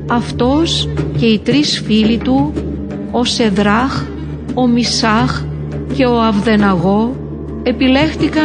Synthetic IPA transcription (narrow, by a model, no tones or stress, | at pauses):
ɐft̪o̞sce̞it̪ɾisfilit̪u | ose̞ðɾɐx | o̞misɐx | ce̞o̞ɐvðe̞nɐɣo̞ | e̞pile̞xt̪ikɐ